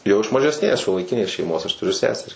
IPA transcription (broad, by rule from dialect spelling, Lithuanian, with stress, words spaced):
jɛʊ ɪʃ mɐʒʲɛsʲˈnʲeːs ʃʲuɔlˠɐɪˈkʲɪnʲeːs ʃʲɛɪˈmoːs ɐʃ tʊˈrʲʊ ˈsʲæːsʲɛrʲɪ